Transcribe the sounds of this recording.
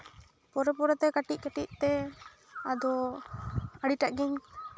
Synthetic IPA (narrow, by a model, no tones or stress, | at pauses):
pɔɾɛpɔɾɛt̪ɛkaʈic̚kaʈic̚t̪ɛ | ad̪ɔ | aɽiʈaʔɡɛɲ